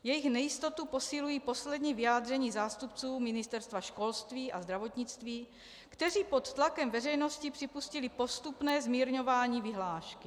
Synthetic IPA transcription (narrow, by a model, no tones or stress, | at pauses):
jɛjɪxnɛjɪst̪o̞t̪upo̞sɪlujiːpo̞slɛd̪ɲiːvɪjaːd̪r̝ɛɲiːzaːst̪up̚t͡suːmɪnɪst̪ɛɾst̪vaʃko̞lst̪viːʔazd̪ɾavo̞t̪ɲɪt͡st̪viː | kt̪ɛr̝iːpo̞t̪t̪lakɛmvɛrɛjno̞scɪpr̥ɪpuscɪlɪpo̞st̪upnɛːzmiːɾɲo̞vaːɲiːvɪɦlaːʃkɪ